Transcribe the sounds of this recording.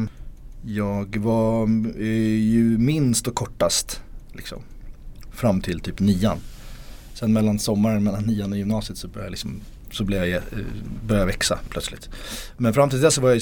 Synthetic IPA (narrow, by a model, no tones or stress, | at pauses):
jɑːɡva | jɵmɪnst̪ɔkʰːɔʈːast̪lʔɪ̰ksɔ̰m | fɾamːt̪ʰɪlt̪ʰyːpniːan | sɛnmɛlːansɔmːaɾənmɛlːanːiːanɔjɵmnɑːsɪət̪sɔbœɾja̰lɪksɔm | sɔblɪvjajɛbœɾjavɛksa̰pʰlœt̪slɪ̰t̪mɛnfɾamt̪ɪld̪ɛsːɔvaɾjaj